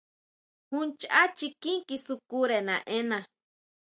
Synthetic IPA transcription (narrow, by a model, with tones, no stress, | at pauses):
hunt͡ʃa˦t͡ʃiki˦ŋkisuku˦ɾe˨nã̰˨ʔe˦na˨